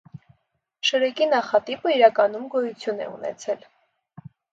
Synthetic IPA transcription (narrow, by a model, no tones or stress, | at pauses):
ʃəɾɛkinɑχɑt̪ipəiɾɑkɑnumɡɔjut͡sʰjunɛ̰ṵnɛ̰t͡sʰɛl